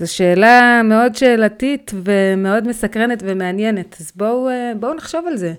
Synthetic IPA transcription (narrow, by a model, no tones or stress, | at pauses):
zoʃe̞ːlame̞o̞dʃeːlatitveme̞o̞dmesakʁenetve̞meanjenetazboubounaχʃo̞valze̞